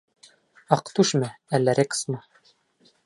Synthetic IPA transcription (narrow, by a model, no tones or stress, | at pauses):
ɑqt̪uʃmɘælːæɾeksmɤ